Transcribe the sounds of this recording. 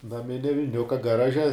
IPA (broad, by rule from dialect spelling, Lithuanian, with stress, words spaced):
nɐˈmʲɪnʲɛ ʋʲɪˈnʲʊkɐ ɡɐˈrɑːʒʲɛ